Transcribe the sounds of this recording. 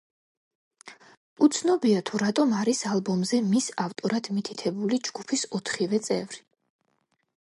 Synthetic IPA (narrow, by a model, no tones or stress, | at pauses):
ut̪sʰnɔbiat̪ʰuɾat̪ʼɔmaɾisalˠbɔmzɛmisaft̪ʼɔɾad̪̥mit̪ʰit̪ʰɛbulid͡ʒɡ̥upʰisɔt̪ʰχivɛt̪sʼɛ̰vɾi